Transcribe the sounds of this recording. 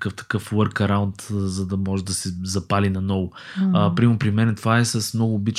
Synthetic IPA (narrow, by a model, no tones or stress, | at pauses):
kɤft̪ɐ̥kɤflˠɤɾkɐɾaʊnt̪zɐd̪ɐmɔʒɛd̪ɐsɛzɐpalinɐnɔvʊpɾimopɾimɛnɛt̪ovaɛsɐsmnɔɡʊːbit͡ʃ